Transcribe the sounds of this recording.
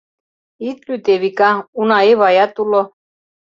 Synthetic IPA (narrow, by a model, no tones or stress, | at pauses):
it̪lyt̪eβikaunaeβajat̪ulo